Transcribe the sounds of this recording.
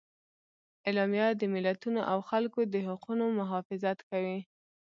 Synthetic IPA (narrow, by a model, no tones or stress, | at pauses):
elɑmjɑd̪əmɪlat̪unoʔawxalkod̪əɦaqunomʊɦɑfɪzat̪kawi